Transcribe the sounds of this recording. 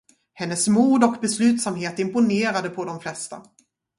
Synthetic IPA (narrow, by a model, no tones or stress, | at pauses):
hɛnːəsmuːd̪ɔkbɛslʉ̟ːt̪samɦeːt̪ɪmpʊneːɾad̪əpʰɔd̪ɔmflɛst̪a̰